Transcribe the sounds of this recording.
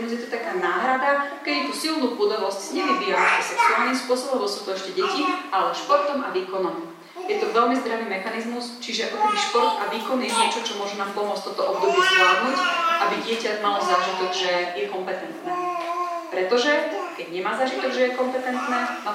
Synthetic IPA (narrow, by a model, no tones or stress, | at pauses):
muzjɛt̪ɔt̪akaːnaːɦɾad̪akɛɟɛt̪usilnuːʔud̪aɦlɔsczɲɛʋibijaaɛsɛksuaːlnimspʊɔsɔbɔmʋɔsut̪ɔɛʃcɛɟɛciʔalɛʃpɔɾt̪ɔmaʋiːkɔnɔm | jɛt̪ɔʋɛʎmizd̪ɾaʋiːmɛxanizmust͡ʃiʒɛʔɔkbiʃpɔɾt̪aʋiːkɔnjɛɲɪɛt͡ʃɔt͡ʃɔmʊɔʒunaːmpɔmʊɔt͡st̪ɔt̪ɔʔɔbd̪ɔbɪɛzʋɪaːd̪nucʔabiɟɪɛcamalɔzaʒit̪ɔɡʒɛjɛkɔmpɛt̪ɛnt̪nɛːpɾɛt̪ɔʒɛkɛɟɲɛmaːzaʒit̪ɔɡʒɛjɛkɔmpɛt̪ɛnt̪nɛːnɔ